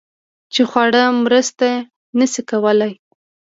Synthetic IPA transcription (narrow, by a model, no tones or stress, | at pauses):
t͡ʃexwaɽəmɾəst̪a | nəsikawəlaj